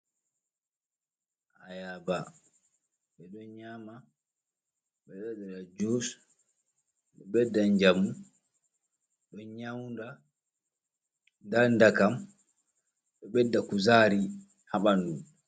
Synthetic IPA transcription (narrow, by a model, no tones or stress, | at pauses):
ʔajaba | ɓɛɗɔnɲama | ɓɛɗaɗɛɾad͡ʒos | ɓɛɓɛdːaɲd͡ʒamːu | ɗɔnɲawnda | ndandakam | ɗɛɓɛdːakuzaːɾi | haɓandum